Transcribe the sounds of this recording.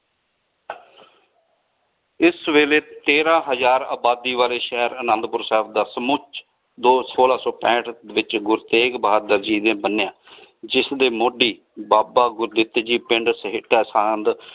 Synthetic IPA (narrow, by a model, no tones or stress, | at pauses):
ɪsʋeːleːt̪eːɾãːɦəzaːɾa̰ːbaːd̪iːʋaːleːʃɛɦɾənãnd̪pʊɾsɛːpʰd̪aːsəmʊt͡ʃʰ | d̪oːsoːlaːsɔːpɛ̃ːʈ̪ʰʋɪt͡ʃɡʊɾt̪eːkbəɦaːd̪əɾd͡ʒiːd̪ẽːbənːjãːd͡ʒɪsd̪eːmoːɖiː | baːbaːɡʊɾd̪ɪt̪ːd͡ʒiːpɪɳɖsɦɪʈʰːɛːsaːnd̪